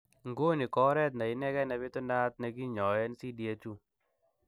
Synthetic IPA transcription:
ŋɡo˦ni˨kɔ˦ɾɛ˦t̬̚na˨ɪ˦nɛ˦kɛ˦na˨βe˦tɔ˦na˦t̪̚nɛ˨k̬i˦ɲɔ˨jɛ˦nsi˦di˨e˦t͡ʃu˦

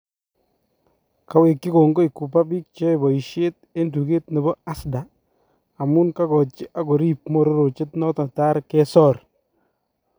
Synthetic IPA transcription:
ka˦we˨kːɪ˦ko˨ŋɡo˦i˨ku˨pa˦bi˦k̚t͡ʃe˦˨bɔ˨i˨ʃe˦t̚e˦ndu˨ke˦tne˨bɔ˦a˦sdaː˨ | mʊ˦nka˦kɔ˨t͡ʃɪ˦ʔa˦ko˨ɾi˦p̚mo˨ɾo˦ɾo˨t͡ʃɪ˦tnɔ˦ta˨ta˦ɾkɛ˦sɔ˦˨r

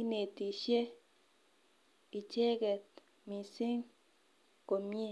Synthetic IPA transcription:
i˦ne˨t̪i˨ʃje˦ | i˨t͡ʃe˦ɡe˨t̪ | mĩ˧si˦ŋ | ko˨mje˦

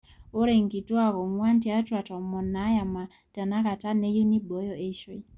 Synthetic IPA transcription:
o˦ɾe˨ŋki˨tu˦a˨kɔ˨ŋwa˦nti˦a˦twa˨tɔ˨mɔ˨na˨˦ja˨ma˨ | ta˨na˦ka˨ta˦ne˦ju˦ni˦bɔ˨˦jɔ˨e˦ʃwe˦

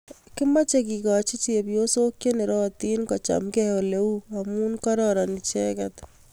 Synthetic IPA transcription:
kɪ˦ma˦t͡ʃe˨ki˨kat͡ʃi˦t͡ʃe˨pjo˦soː˦kje˦ne˨ɾɔː˦t̪iː˦nkɔ˨t͡ʃa̰mkɛo˨le˦uamu˦nkɔ˦ɾɔɾa˨ni˨t͡ʃɛ˦kat̪

